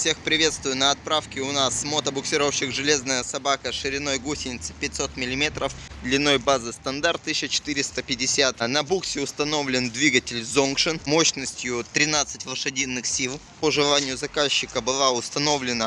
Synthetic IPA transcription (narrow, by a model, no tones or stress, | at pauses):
fsʲe̞xpɾʲɪvʲe̞t̪st̪vʊjʊnəɐt̪̚pɾafkʲɪʊnasmot̪əbʊksʲɪɾofɕɪxʐɨlʲe̞znəjəsɐbakəʂɨɾʲɪno̞jɡusʲɪnʲɪt̪sɨ̥pʲɪt̚ʲso̞t̪mʲɪlʲɪmʲe̞t̪ɾəfd̪lʲɪnːo̞jbazɨst̪ɐnd̪art̪ːɨɕːət͡ɕɪ̥t̪ɨɾʲɪst̪əpʲɪdʲɪsʲat̪nɐbuksʲɪʊst̪ɐno̞vlʲɪnd̪vʲiɡətʲɪlʲzonkʂɨnmo̞ɕnəsʲtʲjʊt̪ɾʲɪnat̪sɨtʲvlˠəʂɨdʲinːɨxsʲilˠ | pəʐɨlˠanʲɪjʊzɐkaɕːɪkəbɨlˠaʊst̪ɐno̞vlʲɪnə